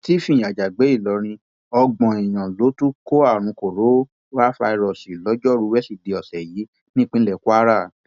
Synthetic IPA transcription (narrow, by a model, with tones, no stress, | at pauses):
ti˦fĩ˦˨a˨d͡ʒa˨ɡ͡be˨˦i˦˨lɔ˨˦ɾ̃ĩ˧ | ɔ˧ɡ͡bɔ̃˨i˨j̃ã˨lo˨˦tu˦ko˦a˦˨ɾ̃ũ˨˧ko˨ɾo˨˦ | a˦fa˧i˧ɾɔ˨si˨lɔ˨˦d͡ʒɔ˦˨ɾu˧˦wɛ˦si˧˨de˨˧ɔ˨sɛ˨ji˨˦ | nĩ˦k͡pĩ˦lɛ˦˨ku˦a˦ɾa˦˨